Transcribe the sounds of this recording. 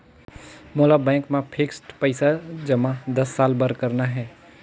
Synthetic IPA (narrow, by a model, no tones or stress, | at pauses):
moːlabɛ̃ːŋkmẽpʰɪksʈpəɪsad͡ʒɐmãd̪ɐsːaːlbɐɾkəɾnaɦɛː